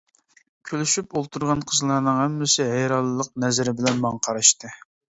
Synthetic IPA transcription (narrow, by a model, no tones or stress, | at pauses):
kʲʰølyʃypolˠt̪ʰuɾʁɑnqʰəzlˠɑɾnɨŋhɛmːɪsɪɦɛjɾɑlˠːɨlˠəq̚nɛzɪɾɪbɪlɛnmɑŋqʰɑɾɑʃt̪ɨ